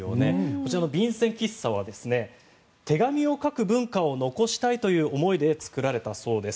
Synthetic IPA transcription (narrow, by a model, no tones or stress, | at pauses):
o̞̰neko̞t͡ɕiɾano̞bʲĩɰ̃sẽŋkʲisːaβ̞ad̪e̞sɨne̞ | t̪e̞ɡamʲio̞kakɯ̟bɯ̟̃ŋkao̞no̞ko̞ɕi̥t̪ait̪o̞jɯ̟ːo̞mo̞id̪e̞t͡sɨ̥kɯ̟ɾaɾe̞t̪aso̞ːd̪e̞s